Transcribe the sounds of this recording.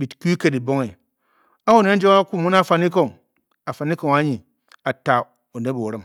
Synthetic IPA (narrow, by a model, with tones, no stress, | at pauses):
ɓi˨tku˦ke˦˨di˨bo˦ŋi˨ | a˦wo˦˨ne˦n˦d͡ʒo˦a˦ku˦˨mu˦n˦a˦˨fa˦ni˦ko˨ŋ | a˨fa˨ni˦ko˦˨ŋa˦ɲi˨ | a˨ta˨ | o˨ne˦bo˨ɾi˦m